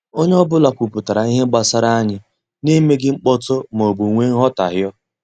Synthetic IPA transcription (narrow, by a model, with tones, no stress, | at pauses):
o˦ɲe˦ɔ˦bʊ˦la˨kʷu˨pʊ˨ta˨ɾa˨i˦ɦe˦ɡ͡ba˦sa˦ɾa˦a˦ɲɪ˦ | ni˦me˦ɡɪ˦ŋ͡m̩˦k͡pɔ˦tʊ˦mo˨ɡ͡bu˨ŋʷe˦ŋ̩˦ɦɔ˦ta̰˨ɦjɔ˦